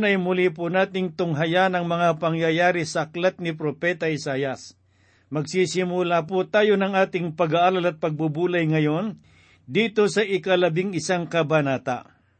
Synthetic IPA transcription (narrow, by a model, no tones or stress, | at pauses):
nɐjmʊlip̬ʊnaːt̪ɪŋt̪ʊŋɦɐjanɐŋmɐŋapɐŋjɐjaːɾisɐʔɐklat̪̚nɪp̬ɾopɛt̪ɐʔɪsaːjɐs | mɐɡsisɪmʊlapʊt̪aːjonɐŋʔaːt̪ɪŋpɐɡaʔaːɾalɐt̪̚pɐɡ̚bubuːlɐjŋɐjon | d̪iːt̪osɐʔɪkɐlɐbɪŋɪsaŋkɐbanaːt̪a̰